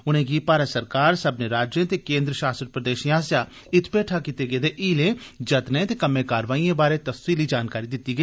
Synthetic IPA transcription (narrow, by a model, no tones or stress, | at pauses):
ʊnẽːɡiːpaːɾəsəɾkaːɾsəbneɾaːd͡ʒjẽːt̪eːkẽːnd̪ɾəʃaːsɾəɾpɾəd̪eːʃiãːsjaː | ɪt̪ʰpeːʈʰaːkit̪eːɡeːd̪eːʔiːlẽːd͡ʒət̪nẽːt̪eːkəmẽːkaːɾʋaːiːẽːbaːɾeːt̪əfsiːliːd͡ʒaːnkaːɾiːd̪ɪt̪ːiːɡəiː